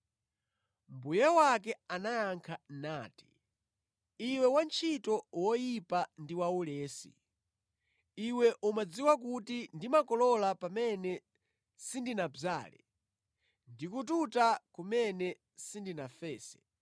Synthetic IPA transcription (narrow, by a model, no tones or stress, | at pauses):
mbujɛwakɛanaːŋkʰanaːti̥ | iwɛwant͡ʃʰitɔwɔjipandiwaulɛːsḭ | iwɛʔumad͡ziwakutindimakɔlɔlapamɛnɛ | sindinaza̰ːlɛ̰ | ndikututakumɛnɛ | sindinafɛːsɛ̥